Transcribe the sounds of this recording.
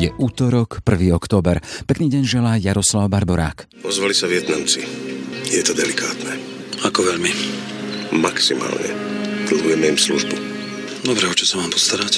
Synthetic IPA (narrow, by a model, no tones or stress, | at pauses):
jɛʔuːt̪ɔɾɔkpr̩ʋiːɔkt̪ɔːbɛɾpɛkniːɟɛɲʒɛlaːjaɾɔslaʊbaɾbɔɾa̰ːk | ɔzʋalisaʋɪɛt̪namt͡sijɛt̪ɔd̪ɛlikʰaːt̪nɛ | akɔʋɛʎmi | maksima̰ːlɲɛ̰t̪l̩ɦujɛmɛimsluʒbu | d̪ɔbɾɛɔt͡ʃɔsamaːmpɔst̪aɾac